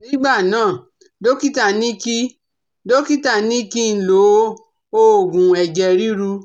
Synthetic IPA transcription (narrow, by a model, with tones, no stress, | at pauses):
nĩ˦ɡ͡ba˦˨nãː˦˨ | do˦ki˦ta˦˨nĩ˦ki˦ | do˦ki˦ta˦˨nĩ˦ki˦n̩˨lo˨˦ | o˧o˨ɡũ˨ɛ˨d͡ʒɛ˧ɾi˦ɾu˧